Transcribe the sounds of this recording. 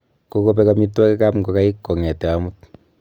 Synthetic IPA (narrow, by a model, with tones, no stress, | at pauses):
ko˦ko˦pɛ˦ka˧mi˦twa˦kɛ˦ka˦pŋɡo˨ka˦i˦kːo˨ŋɛ˨tɛ˨a˦mu˦t̚